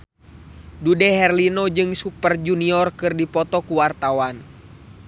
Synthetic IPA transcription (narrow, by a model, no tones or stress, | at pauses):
dudɛɦɛrlinɔd͡ʒɨŋsupərd͡ʒuniɔrkɨrdipɔt̪ɔkuwart̪awan